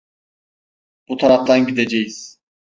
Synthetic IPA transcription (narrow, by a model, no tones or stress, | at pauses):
b̥ut̪ʰaɾaft̪anɟid̪ed͡ʒejiz̥